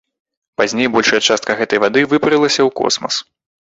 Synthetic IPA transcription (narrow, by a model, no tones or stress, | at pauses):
pazʲnʲejbɔlʲʂɐjɐt͡ʂast̪̚kɐɣɛt̪ɐjvad̪ɨvɨpɾɨlˠɐsʲɐwkɔ̰smɐ̰s